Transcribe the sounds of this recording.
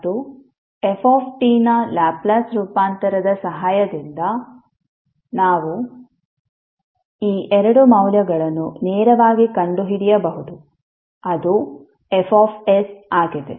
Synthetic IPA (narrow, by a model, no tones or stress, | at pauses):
d̪u | epʰoːpʰʈiːnɐlaːblasɾuːpaːnt̪ɐɾɐd̪ɐsɐɦaːjɐd̪ind̪ɐ | naːʋu | iːʔɛɾɐɽumɐwljɐɡɐɭɐnːuneːɾɐʋaːɡikɐɳɖuɦiɽijɐbɐɦud̪u | ɐd̪u | efʰaːpʰesaːɡid̪ḛ